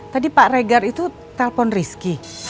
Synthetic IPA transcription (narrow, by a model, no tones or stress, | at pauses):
t̪adipaʔreɡarit̪u | t̪alpɔnriski